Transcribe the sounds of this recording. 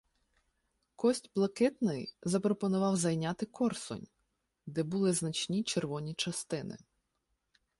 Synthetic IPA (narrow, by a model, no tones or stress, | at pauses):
kɔsʲtʲblˠɐkɪt̪nɪjzɐpɾɔpɔnʊʋɑwzɐjnʲat̪ɪkɔrsɔ̰nʲ | d̪ɛbʊlˠɪznɐt͡ʃʲnʲit͡ʃerʋɔnʲit͡ʃɐst̪ɪnɪ̰